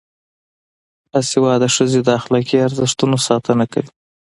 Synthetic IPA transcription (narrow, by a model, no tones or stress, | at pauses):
d̪ɑsewɑd̪əʂəzed̪əaxɪlɑkeaɾd̪əʂt̪unosɑt̪ənaka̰wi̥